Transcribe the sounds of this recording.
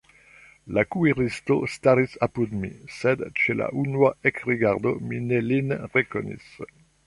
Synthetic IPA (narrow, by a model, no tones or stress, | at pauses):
lakueʁist̪ost̪aɾisapud̪mḭsed̪t͡ʃela̰ʔunuaekʁiɡaʁd̪ominelinʁeko̰nḭs